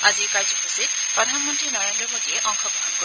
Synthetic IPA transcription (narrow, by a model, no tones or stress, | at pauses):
azikajd͡ʒɔkusi | pɾɔd̪ʱanmɔntɾinɔɾend̪ɾɔbɔd̪ieʔɔŋkʰɔbɔɦɔnkɔ